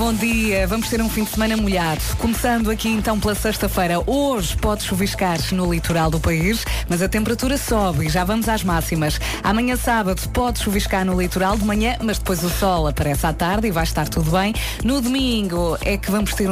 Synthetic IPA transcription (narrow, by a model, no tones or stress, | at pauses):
bõd̪iɐvɐmʊʃt̪eɾũfĩd̪smɐnɐmuʎaðukumsɐ̃nd̪uɐkiẽnt̪ɐ̃w̃plˠɐsɐʃt̪ɐfɐjɾɐʔoʒpɔðʃuviʃkaɾnulˠit̪uɾalˠd̪upɐiʃmɐzɐt̪ẽmpɨɾɐt̪uɾɐsɔβiʒavɐmuzaʒmasimɐʃ | a̰mɐɲɐ̃saβɐðupɔðʃuviʃkaɾnulˠit̪uɾalˠd̪mɐɲɐ̃mɐʒd̪ɨpojzusɔlˠɐpɐɾɛsat̪aɾðivajʃt̪aɾt̪uðuβɐ̃j̃ | nuðumĩŋɡuɛkvɐmʊʃt̪eɾ